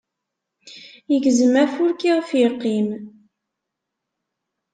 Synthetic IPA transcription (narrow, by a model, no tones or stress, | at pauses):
jəɡzəmæfʊɾkiʁfjiqːim